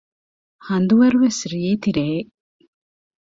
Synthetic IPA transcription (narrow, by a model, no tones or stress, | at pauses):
hɐnd̪uʋɐɾuʋesɾieːt̪iɾeː